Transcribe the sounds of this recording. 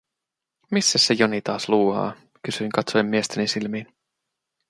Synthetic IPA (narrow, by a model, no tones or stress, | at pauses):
misːæsːejonit̪ɑːsluːhɑ̰ː | kysyiŋkɑt̪sojemːiest̪enisilmiːn